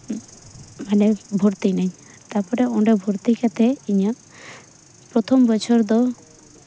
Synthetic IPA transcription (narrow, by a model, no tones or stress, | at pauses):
manɛbʱɔɾt̪inɛɲ | t̪apɔɾɛɔɖɛbʱɔɾt̪ikat̪ʰɛiɲa | pɾɔt̪ʰɔmbɔt͡ʃʰɔɾd̪ɔ